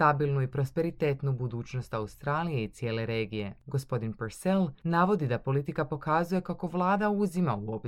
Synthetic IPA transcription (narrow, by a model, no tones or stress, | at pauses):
t̪abilˠnuipɾo̞spe̞ɾit̪e̞ːt̪nubud̪uːt͡ʃno̞st̪aust̪ɾaːlije̞it̪sje̞ːle̞ɾe̞ːɡije̞ɡo̞spo̞d̪inpeɾselnaːʋo̞d̪id̪apo̞lit̪ikapo̞kazuje̞kako̞ʋlˠaːd̪auzimauop